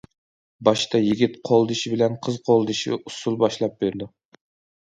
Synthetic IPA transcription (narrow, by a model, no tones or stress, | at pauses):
bɑʃt̪ʰɑjiɡʲit̪qʰolˠd̪ɨʃibɪlɛnqʰəzqʰolˠd̪ɨʃḭusulˠbɑʃlˠɑp̚b̥eɾd̪u